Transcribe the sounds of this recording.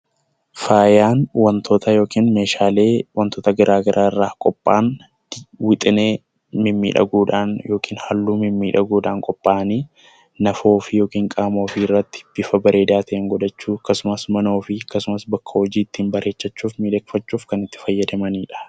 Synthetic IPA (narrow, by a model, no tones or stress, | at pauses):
faːjaːnwɐnt̪ʰo̞ːt̪ɐjo̞ːkiːnmeːʃaːle̞ːwɐnt̪oːt̪ɐɡɪɾʔaːɡɐɾʔaːɪrːaːkʼɔpʼːaːn | wɪt̪ʼɪneː | mɪmːḭːᶑɐ̰ɡuːᶑaːnjo̞ːkʰiːnhɐlːuːmɪmːiːᶑɐɡuːᶑaːŋkʼɔpʼːaːniː | nɐfo̞ːfɪjo̞ːkiːŋkʼaːmo̞ːfirːɐt̪ːɪ̥b̥ɪfɐbɐɾe̞ːd̪aːt̪ʰɐʔeːŋɡɔd̪ɐt͡ʃːuːɐkːɐsʊmɐsmɐno̞ːfɪɐkːɐsʊmɐsbɐkʰːɐhɔd͡ʒiːt̪ːiːmbɐɾʔe̞ːt͡ʃːɐt͡ʃːuːfmiːᶑɐkfɐt͡ʃːuːfkɐnɪt̪ːɪ̥fɐjːɐd̪ɐmɐniːᶑɐ̥